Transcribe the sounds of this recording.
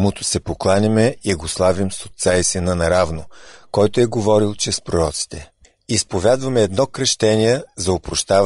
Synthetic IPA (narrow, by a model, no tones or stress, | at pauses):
mut̪ʊ̥sɛpoklˠanʲɐmɛiɡoslˠavimso̥t̪saisɛnɐnɐɾavnokɔjt̪ʊɛɡovɔɾilˠt͡ʃɛspɾoɾɔt̪si̥t̪ʰɛ | ispovʲad̪vɐmɛːd̪nɔkɾɐʃt̪ɛniɛzɐopɾoʃt̪av